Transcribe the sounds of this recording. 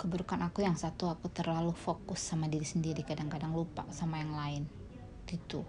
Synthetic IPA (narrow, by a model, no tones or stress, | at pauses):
kəbuɾukanakujaŋsat̪uakut̪ərlalufokʊsːamadiɾisəndiɾikadaŋkadaŋlupa̰samajaŋlaɪn | ɡit̪u